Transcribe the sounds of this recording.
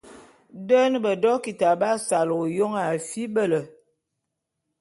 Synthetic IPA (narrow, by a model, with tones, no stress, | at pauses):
də˦n˦bə˨dɔ˦ki˨ta˨ba˦sa˨lo˨jo˦ŋa˨fi˦bə˦˨lə˨